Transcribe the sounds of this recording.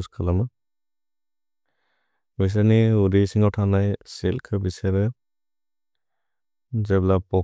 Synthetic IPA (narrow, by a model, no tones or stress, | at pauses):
skʰalamɯ | bis̬aniuɾisiŋawtʰanajselkʰɯbiseɾɛ | zeblapɔ